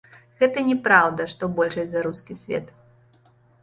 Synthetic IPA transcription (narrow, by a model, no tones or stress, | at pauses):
ɣɛt̪ɐnʲɛpɾawd̪ɐʂt̪ɔbɔlʲʂɐjʲzɐɾuskʲisʲvʲɛ̰t̪